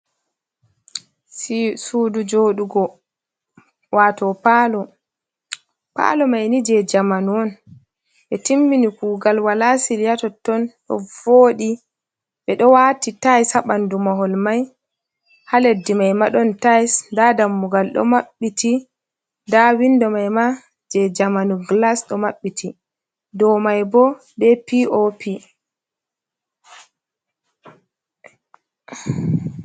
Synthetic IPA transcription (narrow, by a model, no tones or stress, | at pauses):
sudud͡ʒoːɗuɡɔ | watɔpaːlɔ | pa̰lɔmajnid͡ʒɛd͡ʒamanwɔn | ɓɛtimbinikuːɡalwalasiljatɔtːɔnɗɔ̰voːɗi | ɓɛɗɔwatitajshaɓandumaɦɔlmaj | haledːimajmaɗɔntajsndadamːuɡalɗɔ̰maɓːiti | ndawindɔmajma | d͡ʒɛd͡ʒamanuɡlasɗɔmaɓːitʰi | dɔmajbɔ | ɓɛpiʔopʰi